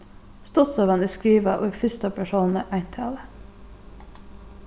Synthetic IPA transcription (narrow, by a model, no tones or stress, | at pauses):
st̪ɔsɑʋɑniskɾiːʋɑʔo̰ːifɪst̪ɑpʰæʃoːnn̩əʔæɪnt̪ʰɑ̰ːlə